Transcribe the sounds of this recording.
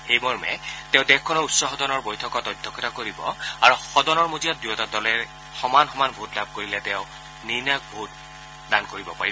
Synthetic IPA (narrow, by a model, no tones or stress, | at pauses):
xejbɔɹmɛ̰tɛ̃ʊ̃dɛxkʰːɔnɔutsɔxɔdɔnɔɹbojtʰɔkɔtɔjdʱːɔkʰɔtakoɹibɔ̰aɹuxɔdɔnɔɹmozijat̚dujɔtadɔlɛ | xɔmanxɔmanbʱutlab̚koɹilɛtɛʊ̃ | ninak̚bʱut̚ | dankoɹibɔpa̰ɹiɔ